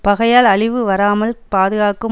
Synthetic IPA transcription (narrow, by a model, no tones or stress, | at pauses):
pɐɣɐjaːlɐɭɪʋɯʋɐɾaːmɐlpaːðɯɣaːkɯ